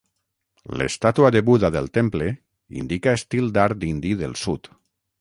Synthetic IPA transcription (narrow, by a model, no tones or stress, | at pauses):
lḛst̪at̪uaðeβuðaðelˠt̪emple | ḭnd̪ikaest̪ilˠd̪aɾd̪ind̪iðelˠsut̪